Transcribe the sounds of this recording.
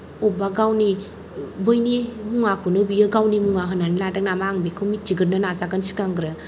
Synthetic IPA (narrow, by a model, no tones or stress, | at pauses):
ɔbaɡawni | bɯjnemuŋakʰunɯbijɯɡawnimuŋaɦɯnanladak̚namaːŋbekʰɯmit͡ʃiɡɯɾnɯnazaɡɯnsi̥kaŋɡɾɯ